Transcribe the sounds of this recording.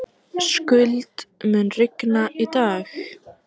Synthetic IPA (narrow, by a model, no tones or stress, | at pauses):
skʏlt̪mɛnrɪknaʔit̪aːx